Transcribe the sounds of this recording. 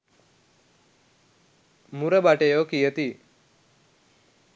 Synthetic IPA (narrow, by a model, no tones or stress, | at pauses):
muɾəbaʈejokijət̪i